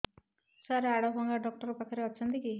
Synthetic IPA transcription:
saɾaɽɔbɔŋɡaɖɔk̚ʈɔɾɔpakʰɔɾeɔt͡ʃʰɔnt̪iki

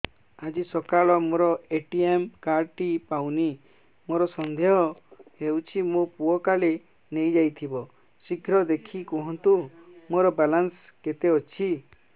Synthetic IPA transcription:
ad͡ʒisɔkaɭɔmoɾɔeʈiemkaɾʈipawni | moɾɔsɔnd̪eɦɔewt͡ʃʰimopuɔkale | nejd͡ʒajt̪ʰibɔ | siɡʱɾɔd̪ekʰikɔɦɔnt̪umoɾɔbalans | ket̪eɔt͡ʃʰi

